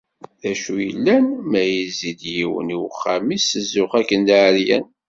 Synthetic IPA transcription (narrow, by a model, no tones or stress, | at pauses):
ðæʃujə̰lːænmæjizid̪jiwə̰niwχːæmisəzːʊχækːənd̪aʕɾjæ̰n